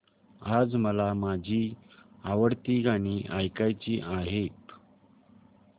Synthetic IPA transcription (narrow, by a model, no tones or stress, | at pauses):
ad͡zməlamad͡ʑʱiːaʋəɽt̪iːaɽ̃iʔajkajt͡ɕiːʔaɦet̪